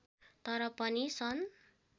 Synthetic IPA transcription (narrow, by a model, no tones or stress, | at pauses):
t̪ʌɾʌpʌnisʌn